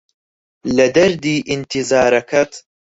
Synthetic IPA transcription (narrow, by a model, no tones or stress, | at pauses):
lɐd̪ɐɾd̪iːʔint̪ʰizaːɾɐkʰɐt̪ʰ